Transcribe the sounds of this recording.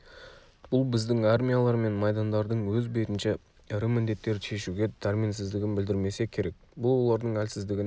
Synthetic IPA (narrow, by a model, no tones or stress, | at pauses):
b̥ʊlˠbɪzd̪ɪŋarmʲijalˠɑɾme̞nmɑjd̪ɑnd̪ɑɾd̪əɴwɵzbe̞t̪ɪnʃe | ɪɾɪmɪnd̪e̞t̪ːe̞ɾʃe̞ʃuɡʲe̞d̪ɑɾminsɪzd̪ɪɡʲɪnbɪld̪ɪɾme̞se̞kʲʰe̞ɾe̞k̚ | bʊlˠwo̞lˠɑɾd̪əɴælsɪzd̪ɪɡʲɪn